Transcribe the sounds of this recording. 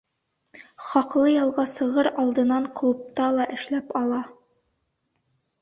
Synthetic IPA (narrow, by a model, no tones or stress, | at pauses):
χɒqlˠɤjɒlˠʁɑsɤ̆ʁɤɾɑlˠd̪ɤ̆nɑɴqlˠup̚t̪ɑlˠɑʔɘ̆ʃlæpɒlˠɑ